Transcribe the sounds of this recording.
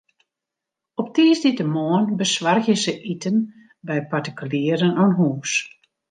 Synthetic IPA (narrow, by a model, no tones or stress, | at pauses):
ɔp̚tiːsditəmoənbəsʋarxjəsəʔitən | bɛjpartikyljiːəɾənɔnɦuːs